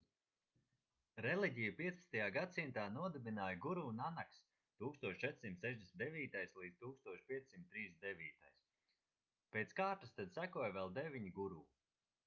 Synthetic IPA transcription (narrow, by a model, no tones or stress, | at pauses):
ɾɛlˠiɟʲijupiɛspɐst̪ajaːɡad̪simt̪aːnuɔd̪ɛbinaːjɡuɾuːnanaks | t̪uːkst̪uɔʃt͡ʃɛt̪simt̪sɛʒd̪ʲesntd̪ɛvʲiːt̪ajslˠiːd̪ʲt̪uːkst̪uɔʃpʲiɛssimt̪ːɾiːsd̪ɛviːt̪ajs | peːt̪skaːɾt̪ast̪ad̪sækuɔjvɛlˠd̪ɛvʲiɲiɡuɾuː